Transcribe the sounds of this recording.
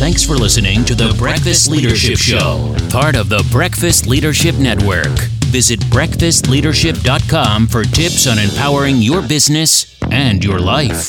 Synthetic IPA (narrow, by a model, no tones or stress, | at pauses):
θæ̃ŋksfə˞lɪsɨnɪ̃ŋtʰɨðɨbɹɛkfɨstˡliɾə˞ʃɪɪpʃoʊ | pʰɑɹɾʌvðəbɹɛkfɨstˡliɾə˞ʃɪp̚nɛt̚wə̰˞kvɪzɨt̚b̥ɹɛkfɨstˡliɾə˞ʃɪp̚d̥ɑt̚kʰɑ̃mfə˞tʰɪpsnɨ̃mpʰaʊə˞ɪ̃ŋjə˞bɪznɨs | ɨ̃njə˞laɪf